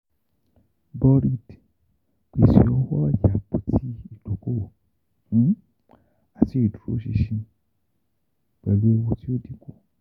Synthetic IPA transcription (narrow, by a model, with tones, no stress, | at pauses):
bɔ˧ɾi˧˨d | k͡pi˨ʃḭ˧˨ɔ˧wɔ˦a˦˨ja˨k͡po˨ti˦i˦˨do˨kõ˦˨˦ | a˨ti˧˦i˦˨du˨ɾo̰˦ʃḭ˧ʃĩ˧ | k͡pɛ˧lu˦e˧wo˧ti˦o˦˨di˨ko˦˨